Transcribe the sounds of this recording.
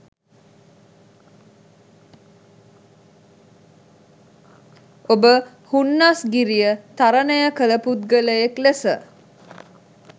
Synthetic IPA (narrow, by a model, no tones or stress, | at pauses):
obə | hunːasɡiɾijət̪aɾənəjəkələput̪̚ɡələjeklesə̰